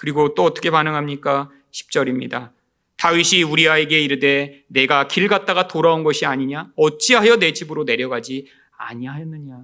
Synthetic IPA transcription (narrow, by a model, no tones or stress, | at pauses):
kɯɾiɡot͈oʌt͈ʌkʰe̞panɯŋɦamɲik͈a | ɕʰi̥p̚t͡ɕ͈ʌɾimɲḭda | taɥiɕʰiuɾiaeɡe̞iɾɯde̞ne̞ɡakiɭɡat̚t͈aɡatoɾaonɡʌɕʰiaɲiɲaʌt͡ɕ͈iɦajʌne̞d͡ʑibɯɾone̞ɾjʌɡad͡ʑi | a̰ɲiaɦajʌnːɯɲa